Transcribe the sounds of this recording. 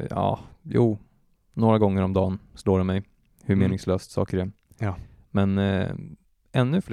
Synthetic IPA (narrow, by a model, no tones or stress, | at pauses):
jɑ̰ːjuː | noːɾaɡɔŋːəɾɔmd̪ɑːnsloːɖɛmɛj | hɵmeːnɪŋsløːst̪sɑ̰ːkəɾɛ | mɛn | ɛnːɵfl